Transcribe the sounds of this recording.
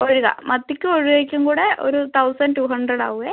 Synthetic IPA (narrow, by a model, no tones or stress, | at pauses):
oɾuɣɐ̰mɐt̪ːikʲːɨoɻuʋeːkʲːuŋkuːɽeʔo̰ɾut̪ʰɐwsɐnʈuːɦɐɳɖrɐɽa̰ːʋuɣɐ